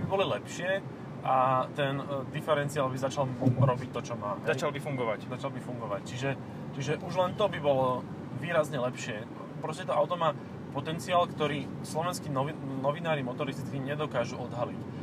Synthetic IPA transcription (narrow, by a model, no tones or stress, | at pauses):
bibɔlilɛpʃɪɛ | ʔat̪ɛnd̪ifɛɾɛnt͡sialbizat͡ʃalɾɔbic̚t̪ɔt͡ʃɔmaːmɦɛzat͡ʃalbifuŋɡɔʋaczat͡ʃalbifuŋɡɔʋact͡ʃiʒɛ | t͡ʃiʒɛʔuʒlɛnt̪ɔbibɔlɔ | ʋiːɾazɲɛlɛpʃɪɛ | pɾɔscɛt̪ɔʔaʊt̪ɔmaː | pɔt̪ɛnt͡siaːlkt̪ɔɾiː | slɔʋɛnskiːnɔnɔʋinaːɾimɔt̪ɔɾist̪t̪kiɲɛd̪ɔkaːʒuɔd̪ɦalic